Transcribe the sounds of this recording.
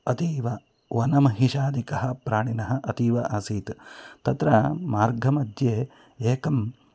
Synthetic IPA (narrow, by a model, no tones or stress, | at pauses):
ɐt̪iːʋɐ | ʋɐnɐmɐɦiʃaːd̪ikɐɦɐ̆pɾaːɳinɐɦɐ̆ʔɐt̪iːʋɐʔasiːt̪t̪ɐt̪ɾɐmaːɾɡʱɐmɐd̪jeː | eːkɐm